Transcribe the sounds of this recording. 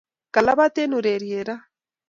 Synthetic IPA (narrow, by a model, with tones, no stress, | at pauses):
ka˨la˦βa˦t̪e˦nu˨ɾe˨ɾje˨ɾa˦